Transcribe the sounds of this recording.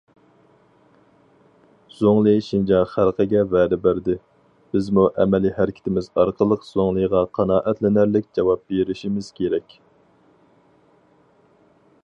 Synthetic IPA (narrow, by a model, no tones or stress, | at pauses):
z̥oŋlˠɨʃind͡ʒɑχælqʰəɡʲɛvɛːd̪ɪbæɾd̪ɪ | b̥ɪzmuʔɛmɛlihæɾɪkʲʰɪ̥t̪ʰɪmɪzɑɾqʰəlˠəqz̥oŋlˠɨjʁɑqʰɑnɑːʔɛt̪lɪnæɾlɪkʲd͡ʒɑwɑp̚beɾɪʃimɪz̥kʲʰeɾɛkʲ